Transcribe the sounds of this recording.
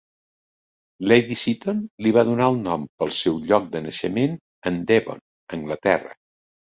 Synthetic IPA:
lejðisit̪onliβ̞aðunaəlˠnɔmpəlˠsɛwʎɔk̚d̪ənəʃəmen | ənd̪eβo̰n | əŋɡlət̪ɛrə̰

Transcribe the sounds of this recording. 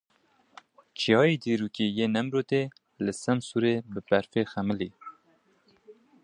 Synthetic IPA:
t͡ʃijɑːjeːd̪iːɾuːkiːjeːnɛmɾoːt̪eː | lɨsɛmsuɾeːbɨpɛɾfeːxɛmɨliː

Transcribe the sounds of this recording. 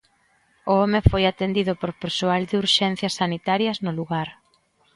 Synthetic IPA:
ʊɔmɪfojat̪end̪iðʊpoɾpeɾsoald̪ɪuɾʃɛn̟θjɐsːanit̪aɾjɐznʊluɣaɾ

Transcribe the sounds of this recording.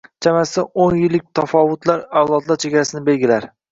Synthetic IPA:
t͡ʃʰamasɪonjɪlːɪk̚ʲt̪ʰafɒvʊt̪ʰlaɾawlˠɒt̪lˠaɾt͡ʃʰeɡʲaɾasɪnɪbe̞lɡʲɪlaɾ

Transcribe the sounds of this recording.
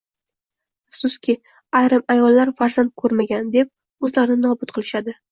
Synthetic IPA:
sʊskʲʰɪ | ajɾɨmajɒlːaɾfaɾzant̪̚kʰɵɾmaɡʲand̪e̞p̚ | ɵzlaɾnɪnɒbʊt̪qʰɨlˠɪʃad̪ɪ

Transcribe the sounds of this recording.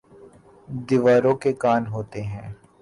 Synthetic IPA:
d̪iʋaːɾõkekaːnɦoːt̪eɦɛ̃ː

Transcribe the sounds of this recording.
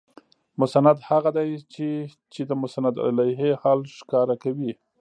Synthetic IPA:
mʊsanad̪haɣad̪ajt͡ʃe | t͡ʃed̪əmʊsanad̪a̰lajɦehɑlʃkɑɾakawi

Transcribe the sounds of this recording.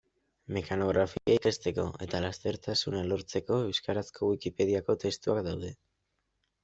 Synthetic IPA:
mekano̞ɣ̞ɾʔafikaikest̪e̞ko̞̰e̞t̪alast̪e̞ɾt̪asunalo̞ɾt͡se̞ko̞ewskaɾaskʰo̞wikipe̞ðiako̞t̪e̞st̪uakd̪awðe̞

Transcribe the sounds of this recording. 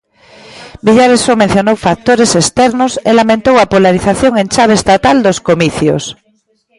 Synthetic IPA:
biʎaɾesomẽn̟θjonowfak̚t̪oɾesest̪ɛɾnoselamẽnt̪owapolaɾiθaθjoŋẽnt͡ʃaβ̞est̪at̪ald̪oskomiθjo̰s

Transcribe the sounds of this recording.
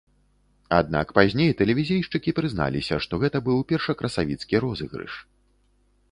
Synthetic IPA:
ad̪na̰kpazʲnʲejt̪ɛlʲɛvʲizʲejʂt͡ʂɨkʲipɾɨzna̰lʲḭsʲɐʂt̪ɔɣɛt̪ɐbɨwpʲɛrʂɐkɾʔɐsavʲit̪skʲiɾɔzɨ̰ɣɾɨ̰ʂ

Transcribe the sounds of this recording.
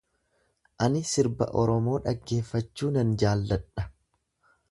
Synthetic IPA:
ʔɐnɪsɪɾbɐ̰ʔɔɾɔmo̞ːᶑɐɡːe̞ːfːɐt͡ʃːuːnɐnd͡ʒaːlːɐᶑɐ

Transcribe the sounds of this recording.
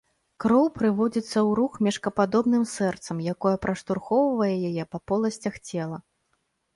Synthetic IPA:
kɾɔwpɾɨvɔd͡zʲit̪sːɐwɾuxmʲɛʂkɐpad̪ɔbnɨmsɛrt̪sɐmjakɔjɛpɾɐʂt̪urxɔwvɐjɛjajɛpɐpɔlˠɐsʲt͡sʲɐxt͡sʲɛlˠɐ

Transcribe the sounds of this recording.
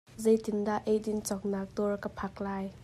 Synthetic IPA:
zejt̪ɪmdaʔejdint͡sɔk̚nak̚t̪ɔrkəpʰak̚laːj

